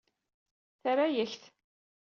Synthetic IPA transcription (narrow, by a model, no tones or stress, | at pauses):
θəɾajəçθ